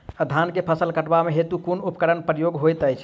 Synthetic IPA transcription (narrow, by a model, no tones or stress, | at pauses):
əd̪ʱankepʰəsəlkəʈbameɦet̪ukunupkəɾənpɾəjoɡɦojt̪əjt͡ʃʰ